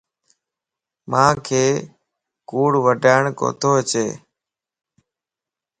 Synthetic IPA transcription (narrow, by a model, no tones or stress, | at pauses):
mãːkʰeː | kuːɽʋəɖʱaːɪɳko̰ːt̪ʰoːət͡ʃeː